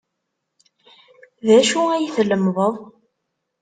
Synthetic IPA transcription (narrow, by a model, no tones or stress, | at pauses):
ðæʃuæjiθləmðˤəðˤ